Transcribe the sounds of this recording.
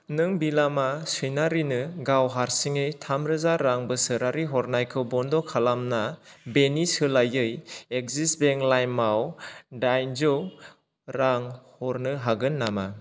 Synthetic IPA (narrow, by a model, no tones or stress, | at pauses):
nɯŋbilamasɯjnaɾinɯɡawɦaɾsiŋejtʰamɾɯzaɾːaŋbɯsɯɾaɾiɦɔɾnajkʰɯwbɔndɔkʰalamnabenisɯlajɯjek̚zisbeŋlajmːawdajnzow | ɾaŋhɔɾnɯɦaɡɯnːama